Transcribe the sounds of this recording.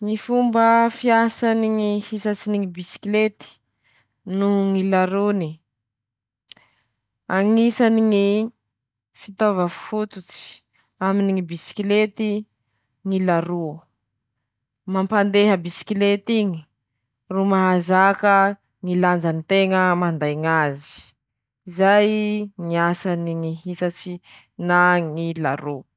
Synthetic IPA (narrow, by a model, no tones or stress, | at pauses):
ŋifumbəfiasaniŋihisat͡siniŋibisi̥klet̪i̥ | nuŋilaɾuni | aŋisaniŋi | fit̪ovəffut̪ut͡si̥ | aminiŋibisi̥kilet̪i | ŋilaɾu | mampand̪eɦəbisi̥kilet̪iŋi̥ | rumaɦazakə | ŋiland͡zanit̪eŋəmand̪ajŋazi̥ | izajŋiasaniŋiɦisat͡si | naŋila̰ɾu